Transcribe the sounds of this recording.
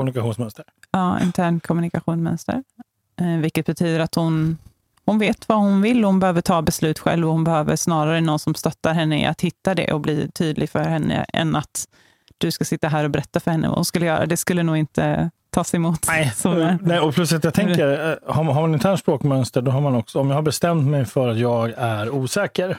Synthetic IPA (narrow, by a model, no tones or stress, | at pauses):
kʰɔmnɪkaɧuːnsmœnst̪əɾɑːɪ̰nt̪ʰæːɳkʰɔmɵnɪkaɧuːnsmœ̰nst̪ə̰ɾ | vɪlkːət̪̚bɛt̪ʰyːd̪əɾat̪hʊn | hʊnveːt̪vahʊnvɪlːɔhʊnbɛhøːvəʈʰɑːbɛslʉ̟ːt̪ɧɛ̰lvɔhʊnbɛhøːvə̰ɾʂnɑːɾaɾənɔnsɔmst̪œt̪ːaɾɦɛnːəɪ̰ʔa̰t̪hɪt̪ːad̪ɛ̰ʔɔbliːt̪ʰyːd̪lʔɪɡfœɾhɛnːə̰ɛ̰nːat̪ | d̪̥ɵskasɪt̪ːaɦæːɾɔbɛɾɛt̪ːafœɾhɛnːə̰va̰hʊnskɵlːəjœːɾa̰d̪ɛskɵlːənuːɡɪnt̪ə̰t̪ʰːɑːsɛmuːt̪ːsɔnɛɔpʰlɵsat̪jat̪ʰɛkəɾhaɦamanɪnt̪ʰæːɳʂpɾoːkmœnst̪əɖɔɦaɾmanɔksɔɔmjɑahaɾbɛst̪ɛmt̪mɛjfœɾat̪jɑːɡæɾuːsɛːkəɾ